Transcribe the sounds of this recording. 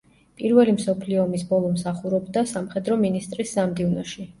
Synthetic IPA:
pʼiɾvɛlimsɔpʰliɔːmisbɔlˠɔmsaχuɾɔbd̪asamχɛd̪ɾɔminist̪ʼɾisːamd̪ivnɔʃi

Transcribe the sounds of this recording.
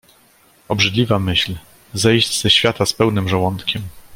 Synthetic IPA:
ɔbʐɘd̪lʲivamɘɕl | zɛjʑd͡ʑz̥ɛɕfʲjat̪aspɛwnɘmʐawɔnt̪kʲɛm

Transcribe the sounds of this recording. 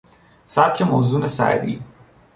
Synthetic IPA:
saːb̚kʲʰemoːzuːnɐsa̰ːd̪ḭː

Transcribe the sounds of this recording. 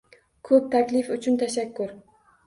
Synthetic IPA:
kʰɵp̚t̪ʰakʲlɪfʊt͡ʃʰʊnt̪ʰaʃakʲːʊɾ

